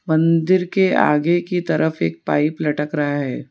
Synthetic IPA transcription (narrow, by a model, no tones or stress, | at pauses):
mɐ̃nd̪ɪɾkea̰ːɡekit̪ɐɾʔəfeːk̚paːiplɐʈəkɾɐɦaɦɛ̰ː